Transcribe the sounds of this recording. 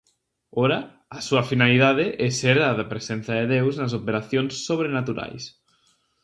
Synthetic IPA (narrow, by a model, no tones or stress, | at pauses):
oɾaː | suɐfinaliðaðeʔeseɾðaðapɾesen̟θjaðeðewznas̬opeɾaθjonsːoβ̞ɾenat̪uɾa̰js